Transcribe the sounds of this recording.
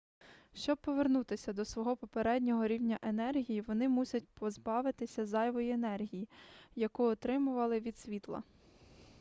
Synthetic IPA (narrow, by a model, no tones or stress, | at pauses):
ʃt͡ʃɔb̚pːɔʋernut̪ɪsʲɐd̪ɔsʋɔɦɔpɔpeɾɛdʲnʲɔɦɔɾʲiwnʲɐʔenɛrɦʲijiʋɔnɪmusʲɐt̚ʲpɔzbɑʋɪt̪ɪsʲɐzɑjʋɔjienɛrɦʲijijɐkuɔt̪ɾɪmʊʋɐlˠɪʋʲid̪ʲsʲʋʲit̪lˠɐ̰